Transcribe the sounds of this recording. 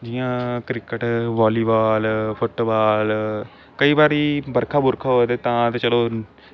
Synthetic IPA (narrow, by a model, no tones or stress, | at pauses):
d͡ʒɪjãːkɾɪkəʈʋaːliːbaːlpʰʊʈːbaːl | kəiːbaːɾiːbəɾkʰaːbʊɾkʰaːɦoːt̪eːt̪ãːt̪ːt͡ʃəloː